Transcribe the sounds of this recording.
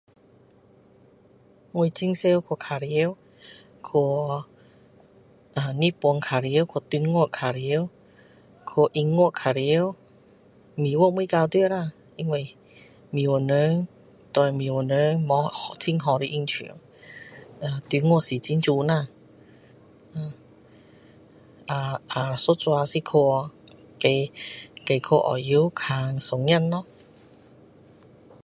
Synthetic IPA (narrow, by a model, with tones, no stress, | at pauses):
ŋu˧˨jt̪ʰi˧˥ŋse˧wkʰo˧˨kʰa˨˧ɾi˧˦w | kʰo˧˩ | ʔaː˨ni˧˨pu˧ə˧ŋkʰaː˨ɾi˧˦wkʰo˧˩t̪y˧˦ŋo˥˩˨kʰa˨ɾi˧˦w | kʰo˧ʔi˧ŋːo˧˥˨kʰa˨ɾi˧˦˧w | mi˨˦wo˧˥˨mu˧˨kaː˧wt̪u˧ə˨na˧˨ | i˧˦ŋwo˧˨ | mi˨o˧˨nə˧˥ŋ | t̪wɔ˧jmĩ˨˩wo˨˩nə˧˦ŋmɔ˧˦ht̪ʰi˧˥ŋɦɔ˧ɾi˧ʔi˧ŋt͡ɕʰḭ˨˩ə˨˦ŋ | a˧t̪i˧ŋu˧˨si˨˩t͡ɕi˧˥˦nt͡ɕu˧nã˧˨ | a˧˨ | ʔa˧ʔa˨˩so˧˦t͡swa˧si˧kʰo˧ | ke˧˩ke˧˩jkʰo˧ʔɔ̰˨˩ji˧˦wkʰa˧ŋsɔ˨˧˩ŋja˥˨nːɔ˧˦